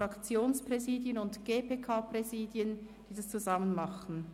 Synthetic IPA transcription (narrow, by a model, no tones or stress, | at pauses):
ɾɑkt͡sjoːnspʁ̥ɛziːdjənʊntɡ̥eːpʰeːkʰaːpʁɛziːdjən | d̥iːdast͡suzɑmənmɑχn̩